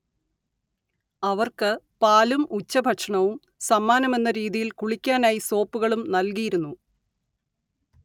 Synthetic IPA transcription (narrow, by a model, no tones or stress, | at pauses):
ɐʋɐrkɨ | paːlumut͡ɕːɐbʱɐʈʂɐɳɐʋum | sɐmːaːnɐme̞nːɐɾiːðijilkuɭikʲːaːnaːjiso̞ːpːuɣɐɭumnɐlkijiɾunːu